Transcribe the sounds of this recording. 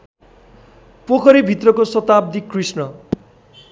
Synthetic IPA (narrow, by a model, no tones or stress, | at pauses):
pokʰʌɾibʱit̪rʌkosʌt̪ab̚d̪ikrisnʌ